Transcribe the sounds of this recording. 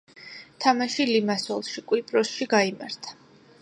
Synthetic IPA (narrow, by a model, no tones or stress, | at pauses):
t̪ʰamaʃilimasɔlˠʃikʼwipʼɾɔsʃiɡaima̰ɾt̪ʰḁ